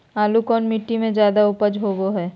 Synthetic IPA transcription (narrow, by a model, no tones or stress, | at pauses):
aːlukɔːnmɪʈːimẽd͡ʒjaːd̪aʊpəd͡ʒɦoːɡoɦɛː